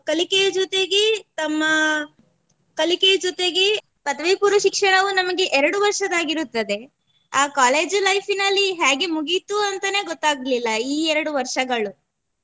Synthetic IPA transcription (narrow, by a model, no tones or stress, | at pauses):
kɐlikejd͡ʒɔt̪e̞ɡet̪ɐmːɐ | kɐliked͡ʒɔt̪e̞ɡe̞ | pɐd̪ɐʋɐjpuːɾɐʃikʂɐɳɐʋunɐmɐɡe̞ʔɛɾɐɽuʋɐɾʂɐd̪aːɡiɾut̪ːɐd̪e̞ | aːkaːleːd͡ʒlɐjfʰinɐlːiɦaːɡe̞muɡit̪uɐnt̪ɐne̞ːɡɔt̪ːaːɡɐlilːɐiːɛɾɐɽuʋɐɾʂɐɡɐɭu